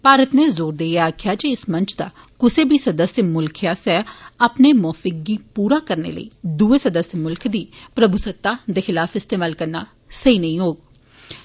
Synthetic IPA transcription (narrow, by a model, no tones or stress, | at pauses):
paːɾət̪neːzoːɾd̪eːeaːkʰɪjaːd͡ʒeɪsmə̃ɲt͡ʃd̪aː | kʊseːbʱiːsəd̪əsjəmʊlkʰjaːsɛːəpneːmɔːfɪk̚ːiːpuːɾaːkəɾnḛːlə̰ḭːd̪uːeːsəd̪əsjəmʊlkd̪iːpɾəbusət̪ːaːd̪eːxɪlaːfɪst̪eːmaːlkəɾnaː | səiːnəɦĩːɦoːɡ